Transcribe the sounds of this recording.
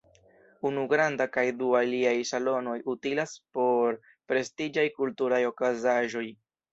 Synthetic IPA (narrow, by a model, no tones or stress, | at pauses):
unuɡɾandakajdualiajsalo̞no̞jutilaspo̞ɾ | pɾe̞stid͡ʒajkultuɾajo̞kazaʒo̞j